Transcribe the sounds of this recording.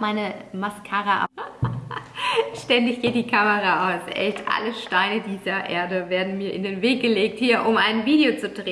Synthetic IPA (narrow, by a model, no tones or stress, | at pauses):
maɪnəmaskʰaːʁaʔa̰ | ʃtɛndɪçɡ̥eːt̚d̥iːkʰaməʁaʔaʊsʔɛ̰ltʰʔa̰ləʃtaɪnədiːzɐʔeːɐdəveːɐdn̩miːɐʔɪndeːnveːk̚ɡ̥əleːk̚thiːɐʔʊmʔaɪnviːdeot͡sudʁeː